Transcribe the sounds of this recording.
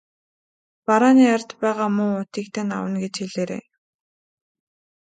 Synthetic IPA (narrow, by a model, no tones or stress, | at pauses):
paɾaːniːart̪pæːʁaːmʊŋʊt̪iːk̚t̪ʰĕːna̰wə̆nɡet͡ɕxeɮeːɾḛː